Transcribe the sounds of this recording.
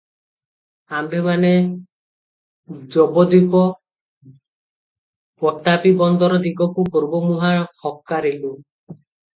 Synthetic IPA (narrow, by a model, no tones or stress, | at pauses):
ambemane | d͡ʒɔbɔd̪upɔ | pɔt̪apibɔnd̪ɔɾɔd̪iɡɔkukɔɾubɔmuɦaxɔkːaɾelu